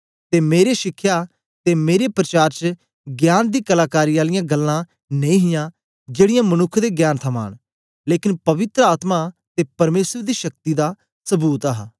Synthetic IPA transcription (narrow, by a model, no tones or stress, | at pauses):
t̪eːmeːɾeʃɪkʰːjaː | t̪eːmeːɾepɾət͡ʃaːɾt͡ʃə | ɡjaːnd̪iːkəlaːkaːɾiːaːlɪjãːɡəlːãː | nẽĩːɦɪjãː | d͡ʒeːɽɪjãːmənʊkʰːd̪eːɡjaːnt̪ʰəma̰ːɳ̃ | leːkɪnpɐʋɪt̪ɾəaːt̪maːt̪eːpɐɾmeːsəɾd̪iːʃək̚t̪iːd̪aː | səbuːt̪aɦa